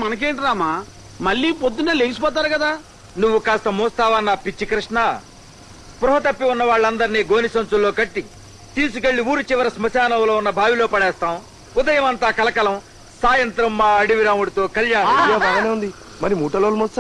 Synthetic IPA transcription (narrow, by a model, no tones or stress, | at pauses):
mɐnɐk̬eːɳʈiɾaːmaː | mɐɭːiːpod̪ːunɐːleːɡisu̥pɔːt̪̬aːɾukɐd̪aː | nuʋːukaːst̪ɐmɔːst̪aːʋɐnːaːpit͡ʃːikɾɪʂɳaː | pɾuɦɐt̪ɐpːiunːɐʋaːɭːɐnd̪ɐɾiniːɡoːnisɐnt͡ʃulːo̞ːkɐʈːi | t̪iːs̬ukeɭːiuːɾut͡ʃɪʋɐɾɐsmɐt͡ʃaːnɐwlo̞ːunːɐbʱaːʋilo̞ːpɐɽɛːst̪aːm | ud̪ɐjɐmɐnt̪aːkɐlɐkɐlɐm | saːjɐnt̪ɾɐmːaːɐɽiʋiɾaːmuɽit̪o̞ːkɐljaːjaːaːɡɐneːund̪i | mɐɾimuːʈɐloːlmɔst̪a